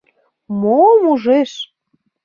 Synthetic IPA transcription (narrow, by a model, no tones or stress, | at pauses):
momuʒeʃ